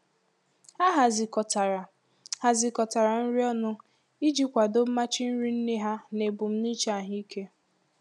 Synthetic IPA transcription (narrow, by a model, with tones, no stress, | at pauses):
a˦ɦa˨zi˨kɔ˨ta˨ɾ | ha˨zi˨kɔ˨ta˨ɾa˨n̩˦ɾi˦ɔ˦nʊ˦ | i˦d͡ʒi˦kʷa˨do˦ma˦t͡ʃɪ˦n̩˦ɾi˦n̩˦ne˦ɦa˦ne˨bʊ˨m̩˦ni˦t͡ʃa˦˨ɦi˦kʰe˦